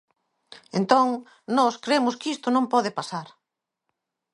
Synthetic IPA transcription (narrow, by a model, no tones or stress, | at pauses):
ẽnt̪õŋ | nɔskɾemʊskist̪ʊnõmpɔðɪpasaɾ